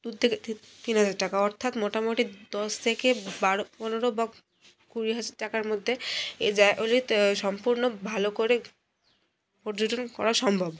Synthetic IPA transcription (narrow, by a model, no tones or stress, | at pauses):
ut̪ʰeket̪inɦad͡ʑaɾʈakaɔɾt̪ʰat̪moʈamoʈid̪ɔst̪ʰekebaɾopɔnoɾoba | kuɾiɦad͡ʑaɾʈakaɾmod̪ʱːeed͡ʑaeʔolit̪ʃɔmpuɾnobʱalokoɾe | poɾd͡ʑod͡ʑonkɔ̰ɾaʃɔmbʱab